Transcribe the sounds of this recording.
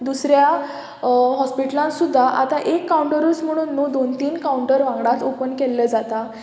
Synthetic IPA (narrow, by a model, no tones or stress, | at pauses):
d̪usɾja | ɦɔspiʈəlãnsud̪ʱːaʔat̪aʔekːauɳʈəɾuːt͡sm̤əɽ̃uːnːod̪ont̪iːnkauɳʈəɾʋãŋɡɽat͡s̪opənkelːəd͡zat̪a